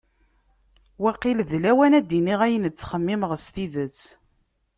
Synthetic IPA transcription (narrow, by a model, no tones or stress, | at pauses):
wæqilðlæwænæd̪iniʁæjənət͡sːχəmːiməʁəst̪iðət͡sː